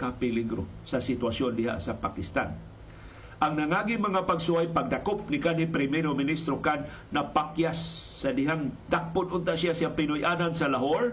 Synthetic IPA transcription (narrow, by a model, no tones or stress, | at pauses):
kapɪliɡɾo | sasɪt̪wasjond̪ɪɦa̰ʔsapakɪst̪a̰n | ʔaŋnaŋaɡimaŋapaɡsʊajpaɡ̚d̪akop̚nɪkanipɾɪmɛɾomɪnist̪ɾokan | napakjasːad̪ɪɦaŋd̪ak̚pʊd̪ʔʊnt̪aʔsjasjapɪnʊjʔanansalaɦoɾ